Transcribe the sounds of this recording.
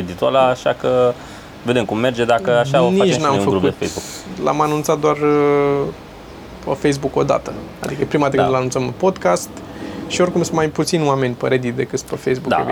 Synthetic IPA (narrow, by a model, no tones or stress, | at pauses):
ed̪it̪ua̰laːʃakə | ve̞d̪e̞mkumːe̞rd͡ʒe̞d̪akəaʃaoniait͡ʃenamfəkɡuefejsbukla̰manũnt̪sat̪̚d̪oar | pəfejs̬buko̞d̪a̰t̪əad̪dikəpɾimad̪ikɨt̪lanunt̪səmpo̞d̪kast̪ʃio̞rkumsumajput̪sinwame̞nʲpəɾed̪it̪d̪e̞kɨt̪spefejsbuk̪a̰